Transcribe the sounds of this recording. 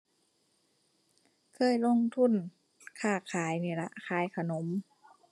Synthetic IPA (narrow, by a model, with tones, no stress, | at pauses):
kʰɤː˧˥˨jlo˧˥˨ŋt̪ʰu˧˥˨n | kʰaː˧˩kʰaː˨˦jniː˧˩la˧ʔkʰaː˨˦jkʰa˧no˨˦m